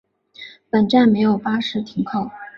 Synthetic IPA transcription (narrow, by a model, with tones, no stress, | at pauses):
pə˨˩nʈ͡ʂa˥˩nme˧˥ɪjo˨˩ʊpa˥ʂɻ̩˧˥t̪ʰi˧˥ŋkʰɑ˥˩ʊ